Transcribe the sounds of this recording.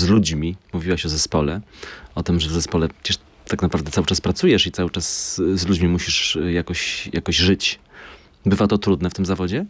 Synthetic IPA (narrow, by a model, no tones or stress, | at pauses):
zlud͡ʑmʲimuvʲiwaɕɔzɛspɔlɛɔt̪ɘmʐɛvzɛspɔlɛ̥t͡ɕɛʂ | t̪ːaknapɾavd̪ɛt̪sawɘt͡ʂaspɾat̪sujɛʂit̪sawɘt͡ʂaszlud͡ʑmʲimuɕiʂjakɔɕjʔa̰kɔʑʐɘt͡ɕ | bɘvat̪ɔt̪ɾud̪nɛft̪ɘmzavɔd͡ʑɛ